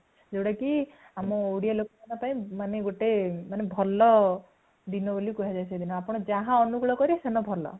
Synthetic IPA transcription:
d͡ʒewɽaki | amɔowɽijalokɔmanɔpaĩmaneɡoʈemanebʱɔlɔ | d̪inɔbolikuɦad͡ʒajsʰed̪inɔapɔɽ̃ɔd͡ʒaɦãɔnuɡɭɔkɔɾisenɔbʱɔlɔ̰

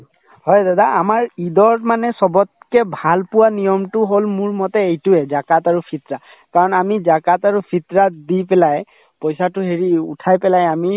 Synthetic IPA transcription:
hɔjdadaamaɹidɔɹmanɛsɔbɔt̚kɛbʱalpʊwanijɔmtʊɦolmuɹmɔtɛejtʊɛzakataɹupʰit̪ɹa | kaɹɔnamizakataɹupʰit̪ɹadipɛlaj | pɔjsatʊɦeɹiṵtʰajpɛlajami

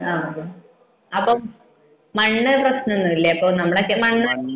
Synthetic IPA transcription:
aː | ɐpːom | mɐɳːɨprɐɕnonːɨilːeɐpːoːnɐmːɐɭekːemɐɳːɨ

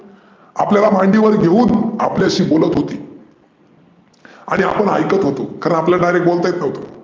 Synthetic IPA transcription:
a̰pljalamãɳɖiʋəɾɡʱeuːna̰pleəɕiːbolət̪ɦot̪ḭː | a̰ɽ̃ia̰pəɳɦa̰jkət̪ɦot̪okaɾəɳapljaɖajɾek̚ʈ̚bolt̪ajet̪nəɦʋt̪o

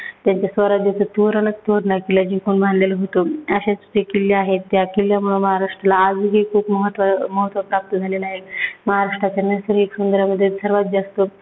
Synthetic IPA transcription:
t̪jaɲt͡ɕasʋəɾad̪jat͡sʰət̪oɾənək̚t̪oɾnakelad͡ʑĩkuɳbʱanleləɦot̪oəɕat͡st͡ɕekiljeaɦet̪ːjakiljamuɭoməɦaɾaʂʈɾalaːd͡zɦekʰuːpməɦt̪ʋəməɦət̪ʋəpɾap̚t̪əd͡zʱalelaɦelməɦaɾaʂʈɾat͡ɕanəsəɾiksund̪əɾjaməd̪ʱːjesəɾʋat̪̚d͡ʑast̪o

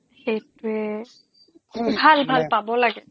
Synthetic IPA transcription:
xejtuɛ | kʰubʱalbʱalpabɔlaɡɛ

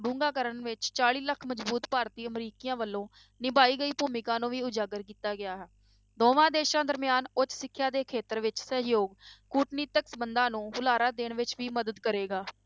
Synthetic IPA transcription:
ɖũːŋɡaːkəɾəɳʋɪt͡ʃt͡ʃaːɽiːləkʰməd͡ʒbuːt̪paːɾt̪iːəmɾiːkijãːʋəlːõː | nɪbaːiːɡəiːpuːmɪkãːnũːʋiːʊd͡ʒaːɡəɾkiːt̪aːɡɪaːɦɛː | d̪oːʋãːd̪eːʃãːd̪əɾmɪjaːnʊt͡ʃsɪkʰːjãːd̪eːkʰeːt̪əɾʋɪt͡ʃsəɦjoːɡkuːʈniːt̪əksəbənd̪ãːnũːɦʊlaːɾaːd̪eːɳʋɪt͡ʃʋiːməd̪əd̪kəɾeːɡaː

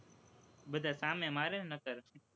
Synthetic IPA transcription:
bəd̪ʱaːsaːmẽmaːɾeːnnəkəɾ

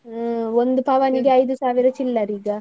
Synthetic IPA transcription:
ond̪upaːʋaniɡeɐjd̪usaːʋiɾɐt͡ʃilːɐɾiːɡɐ

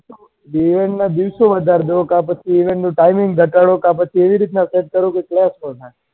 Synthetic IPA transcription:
iʋẽɳʈnad̪iʋsoʋəd̪ʱaɾd̪eokapət͡ʃʰiːʋẽɳʈnõʈaimɪ̃ŋɡɡʱəʈaɽokapət͡ʃʰieʋiɾit̪nãseʈ̚kəɾõkeklɛspəɾt̪a

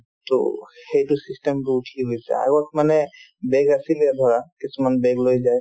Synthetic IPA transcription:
to̰xejtusistɛmtuuʈʰiɦojsɛ̰a̰ɡɔt̚manɛ | bɛɡasilɛbʱɔɹakisumanbɛɡlojzaj

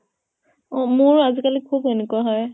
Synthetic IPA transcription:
ɔmʊɹazikalikʰubɦenekuaɦɔj

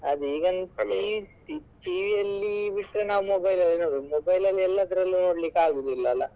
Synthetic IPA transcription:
ɐd̪uiːɡɐni | iʈiʋijɐlːibiʈːɾenaːʋumobɐjlɐlːinoːɽimobɐjlɐlːiɛlːɐd̪ɐɾɐlːunoːɽlikːaːɡid̪ilːɐɐlːɐ

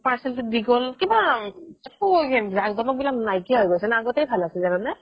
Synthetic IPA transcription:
paɹsɛltʊdiɡɔlkibaɛkuzakzɔmɔk̚bilak̚najkiɦɔjɡojsɛnaaɡɔtɛjbʱalasɛzananɛ

